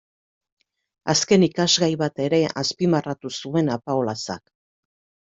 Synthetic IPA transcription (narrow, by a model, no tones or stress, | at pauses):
aske̞nikazɣajβat̪e̞ɾe̞ʔaspimarat̪usue̞napaolasa̰k